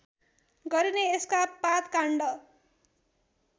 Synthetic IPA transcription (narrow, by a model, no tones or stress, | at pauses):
ɡʌɾineeskapat̪kaɳɖʌ